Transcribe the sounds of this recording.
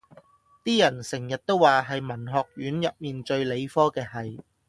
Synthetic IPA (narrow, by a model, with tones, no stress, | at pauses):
t̪iː˥jɐ˨˩nsɪ˨˩ŋjɐ˨t̚t̪o˥wːaː˨ɦɐ˨jmɐ˨˩nɦɔː˨k̚jyː˨˥njɐ˨p̚miː˨nt͡ʃɵ˧ɥle˨˧jfɔː˥kɛː˧ɦɐ˨j